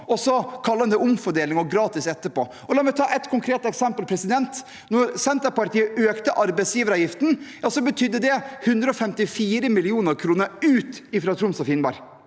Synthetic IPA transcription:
ɔsɔkʰɑlːəɑnd̪ɛʊmfɔɖeːlɪŋɔɡɾɑːt̪ɪsɛt̪ːəpoː | ɔlɑːɾmɛt̪ʰɑːʔɛt̪kʰʊŋkʰɾeːt̪ɛksɛmpəlpʰɾɛsɪd̪ɛnt̪ | nɔɾsɛnt̪əɾpɑɾt̪iːəʔøːkt̪əʔɑɾbɛɪsjiːʋəɾɑːjɪft̪n̩jɑːsɔbət̪ʰʏd̪ːəd̪ɛhʉnd̪ɾəɔfɛmt̪ɪfiːɾəmɪlɪuːnəɾkʰɾuːnəɾʉːt̪ɪfɾɑːt̪ʰɾʊmsɔfɪnbɑ̰ɾ

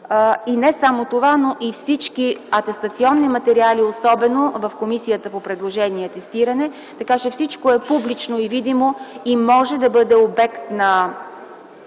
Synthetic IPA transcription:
inɛsamot̪ovanoʔifsit͡ʃkiɐt̪ɛst̪ɐt̪siɔnːimɐt̪ɛɾialiosɔbɛnovɐfkomisijət̪əpopɾɛd̪lˠoʒɛniɛt̪ɛst̪iɾɐnɛ | t̪ɐkat͡ʃɛfsit͡ʃkoɛpublit͡ʃnoivid̪imoimɔʒɛd̪ɐbɤd̪ɛobɛkt̪nɐ

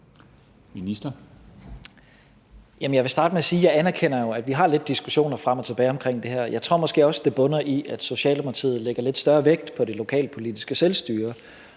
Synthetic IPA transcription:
minisd̥ɐ | jæmən̩ɑɪʋe̝sd̥ɑ̈ːd̥əmeæsiːjɑ̈ɪænæɐkʰenɐjo̝æd̥ʋiɦɑ̈le̝d̥̚ːisɡ̥uɕo̝̰ːnɐfʁam̰ɒ̽t͡sʰe̝b̥ɛːɪɒ̽mkʰʁeŋ̰d̥e̝ɦæɐ̰jɑ̈ɪt͡sʰʁo̝̰ɐ̰mɒ̽sɡ̥e̝̰ːɒ̽sd̥e̝b̥ɔ̽nɐʔiʔæd̥so̝ɕɛ̰ːlmʰt͡sʰḭːð̩ˠleɡ̥ɐle̝d̥sd̥ɶɐʋeɡ̥̚d̥pʰɒ̽ɾe̝lo̝kʰɛ̰ːlpʰo̝lid̥isɡ̥əselsd̥yːɐ

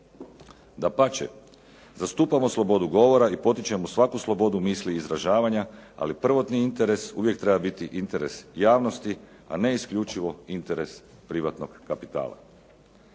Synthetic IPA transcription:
d̪apat͡ʃḛ | zast̪uːpamo̞slˠo̞bo̞d̪uɡo̞ʋo̞ɾaipo̞t̪it͡ʃe̞musʋakuslˠo̞bo̞d̪umiːsliːzɾaʒaːʋaɲaa̰lipr̩ʋo̞t̪niint̪e̞ɾe̞suʋje̞kt̪ɾe̞babit̪iʔint̪e̞ɾe̞sjaːʋno̞st̪i | a̰ne̞iskʎut͡ʃiʋo̞int̪e̞ɾe̞s | pɾiʋat̪noɡkapit̪a̰ːlˠa̰

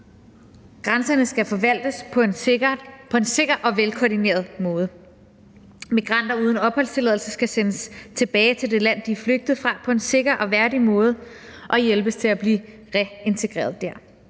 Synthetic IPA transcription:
ɡ̥ʁansɐnəsɡ̥æfɒ̽ʋæl̰d̥əsʰn | pʰɒ̽e̝nse̝ɡ̥ɐʔɒ̽ʋelkʰɒdine̝̰ːɐð̞ˠmɔ̽ːð̞̩ˠə | miɡ̥ʁɑ̈n̰d̥ɐuːð̞ˠən̩ɒ̽b̥hɒ̽l̰st͡sʰe̝lɛð̞ˠl̩sɐsɡ̥æsenəst͡sʰe̝b̥ɛːɪt͡sʰe̝ld̥e̝læn̰d̥ifløɡ̥̚d̥ð̩ˠfʁɑ̈pʰɒ̽e̝nse̝ɡ̥ɐʔɒ̽ʋæɐdimɔ̽ːð̞ˠə | ʔɒ̽jelb̥əst͡sʰe̝læb̥liː | ʁɛe̝nt͡sʰe̝ɡ̥ʁḛːɐð̞̩ˠd̥æɐ̰

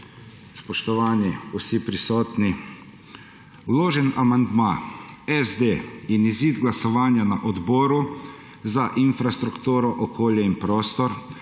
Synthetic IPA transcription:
spɔʃt̪ɔʋaːniusipɾisɔːt̪ni | loːʒɛnamand̪maɛzd̪eːiniziːd̪ɡlasɔʋaːnjanaʔɔd̪bɔːɾu | zaʔinfɾast̪ɾukt̪uːɾɔʔɔkʰoːljɛinpɾɔːst̪ɔɾ

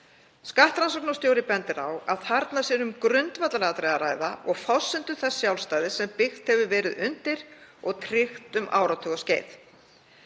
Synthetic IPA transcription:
skaht̪ɾansɔwk̚nast̪jowɾɪpɛnt̪ɪɾawaðθaɾt̪nasɛːɾʏmkɾʏnt̪vat̪lalɛɣat̪ɾeːɣaɾaːjða̰ʔɔɣfɔsːɪnt̪ʏθɛsːjawlst̪aːjðɪsɛmpɪxt̪hɛvʏvɛːɾɪðʏnt̪ɪɾ̥ɔɣt̪ʰɾɪxt̪ʏmʔa̰ːwɾawt̪ʰʏɣɔsceːjθ

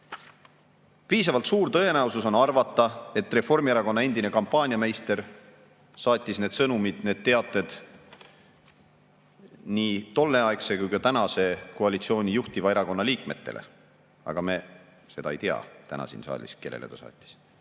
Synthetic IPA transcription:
piːsɑvɑlt̪suːɾt̪ɤ̞e̞næuwsuso̞nɑrvɑt̪ˑːɑe̞t̪re̞fo̞rmieɾɑko̞nːɑend̪ine̞kɑmpˑːɑːnʲiɑme̞jst̪e̞ɾ | sɑːt̪ʲːˑisne̞ːd̪sɤnumid̪̥ne̞ːd̪̚t̪eɑt̪ːˑe̞d̪̥ | niːt̪o̞lːe̞ɑekse̞kujkɑt̪ænɑse̞koɑlit̪sio̞ːnʲijuht̪ivɑeɾɑko̞nːɑliːkme̞t̪ːe̞̰lḛ | ɑ̰ɡ̥ɑme | se̞d̪ɑ̰ejt̪eɑ̰t̪æ̰nɑ̰sḭnsɑ̰ːlʲḭske̞lːḛlet̪ɑsɑ̰ːt̪ʲːˑi̥s

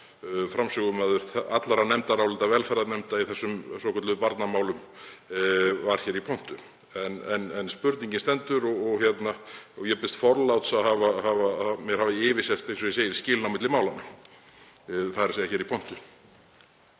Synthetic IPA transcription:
fɾamsʏɣʏmɛðʏɾ̥at̪laɾanɛmt̪aɾawlɪt̪avɛlfɛɾðanɛmt̪aiθɛsːʏmsɔkʰœɾt̪lʏpaɾt̪namaːwlʏm | vaɾ̥çɛːɾipʰɔn̥t̪ʏ | ɛnɛnɛnspʏɾt̪niɲcɪnst̪ɛnt̪ʏɾɔɣɔɣçjɛt̪naɔjɛpɪst̪fɔɾlawt̪saðɦavahavamjɛɾhavɪɪːvɪ̥sjɛ̥t̪ejnsɔjɛseːjɪɾ̥scɪːlnawmɪt̪lɪmaːwlanːa | θaɛɾ̥sejaçɛːɾipʰɔn̥t̪ʏ

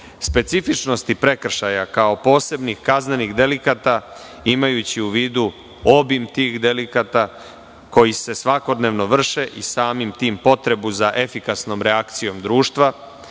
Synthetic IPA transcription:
spe̞t̪sifit͡ʃno̞st̪ipɾe̞kr̩ʃajakao̞po̞ːse̞bnixkazneniɣd̪e̞likat̪a | imajut͡ɕiuʋiːd̪u | o̞bimt̪iːxd̪e̞likat̪a | ko̞jise̞sʋako̞d̪ne̞ʋno̞ʋr̩ʃe̞ʔisaːmimt̪iːmpo̞t̪ɾe̞buzaʔe̞fikasno̞mɾe̞akt̪sijo̞md̪ɾuːʃt̪ʋa

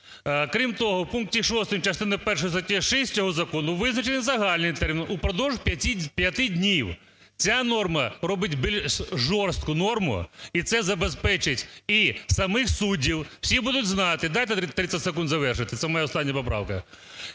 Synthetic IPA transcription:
kɾʲimt̪ɔɦɔwpunk̚tʲiʂɔst̪ɪmt͡ʃɐst̪ɪnɪpɛrʂɔjist̪ɐtʲiʃɛsʲtʲɔɦɔzɐkɔnʊʋɪznɐt͡ʃenɪzɐɦɑlʲnɪjt̪ɛrmʲinupɾɔd̪ɔwʒpʲɐtʲipʲjɐt̪ɪdʲnʲiw | t͡sʲanɔrmɐɾɔbɪtʲbilʲʃʒɔrst̪̚kʊnɔrmʊ̰it̪sɛzɐbespɛt͡ʃɪtʲisɐmɪxsudʲiwwsʲibud̪ʊtʲznɑt̪ɪd̪ajt̪ɛt̪ɾɪt̪sɐtʲsekund̪zɐʋɛrʂɪt̪ɪt̪sɛmɔjaɔst̪ɑnʲːɐpɔp̬ɾɑ̰wkɐ̰

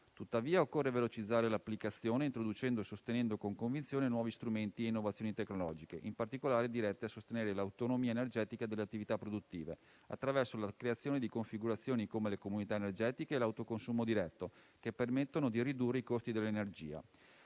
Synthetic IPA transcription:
t̪ut̪ːaviːaokːorːevelot͡ʃid̪zːaːɾelapːlikat̪sːjoːneint̪ɾod̪ut͡ʃɛnd̪oesost̪enɛnd̪okoŋkoɱvint̪sjoːnenwɔːvist̪ɾument̪ieinːovat̪sːjoːnit̪ekːnolɔːd͡ʒikeʔimpart̪ikolaːɾed̪iɾɛt̪ːeasost̪eneːɾelawt̪onomiːaenerd͡ʒɛːt̪ikad̪elːeat̪ːivit̪apːɾod̪ut̪ːiːve | a̰t̪ːɾavɛrsolakɾeat̪sːjoːned̪ikoɱfiɡuɾat̪sːjoːnikomelekomunit̪aenerd͡ʒɛːt̪ikeːlawt̪okonsuːmod̪iɾɛt̪ːo | kepːermet̪ːonod̪irid̪urːeikost̪id̪elːenerd͡ʒiːa̰

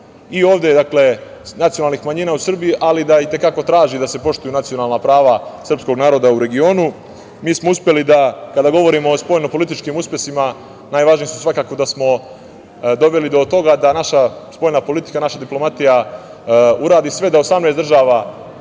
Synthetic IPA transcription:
io̞ːʋd̪e̞d̪akle̞nat̪sijonalnixmaɲiːnaːusr̩bijiʔalid̪ait̪e̞kako̞t̪ɾaːʒid̪ase̞po̞ʂt̪ujunat̪sio̞naːlˠnapɾaːʋasr̩psko̞ɡnaːɾo̞d̪auɾe̞ɡio̞ːnu | miːsmo̞uspjelid̪akad̪aɡo̞ʋo̞ɾimoːspo̞ːjno̞po̞lit̪̬it͡ʃkimuspʲje̞sima | naːjʋaʒnijisu̥sʋakaːko̞d̪asmo̞ | d̪o̞ʋe̞lid̪o̞t̪o̞ɡad̪anaʃaspo̞jnapo̞lit̪i̥kanaʃad̪iplo̞mat̪ija | uɾaːd̪isʋe̞d̪aosamnesd̪r̩ʒaːʋa

